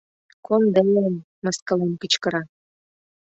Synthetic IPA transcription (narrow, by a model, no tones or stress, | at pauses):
kond̪elem | məskəlemkit͡ɕkə̆ɾɑ